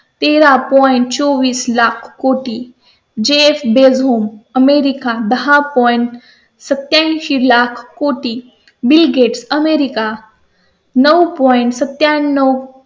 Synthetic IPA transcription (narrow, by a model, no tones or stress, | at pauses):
t̪eɾapɔiɳʈt͡soʋiːslakʰkoʈi | d͡ʑeefbed͡zɦoməmeɾikad̪əɦapɔjɳʈ | sət̪jãɕilakʰkoʈiː | bilɡeʈsəmeɾika | nəwpɔjiɳʈsət̪jaːəw